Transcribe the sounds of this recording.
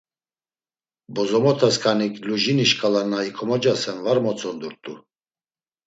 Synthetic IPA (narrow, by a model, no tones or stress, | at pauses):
bɔzɔmɔt̪ʰaskʰanikluʒiniʃkʼalanaikʰɔmɔd͡ʒasɛnvaɾmɔt͡sʼɔnd̪uɾt̪ʼu